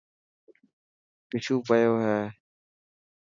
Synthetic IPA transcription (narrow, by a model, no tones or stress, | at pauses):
pɪʃuːpəjoːɦɛː